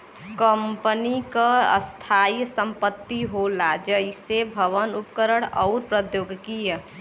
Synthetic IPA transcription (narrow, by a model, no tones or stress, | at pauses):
kəmpənikəə̰st̪ʰajsəmpət̪ːiɦolad͡ʒəjsebʱəʋənupkəɾəɽ̃ɔʊɾpɾəd̪joɡkijə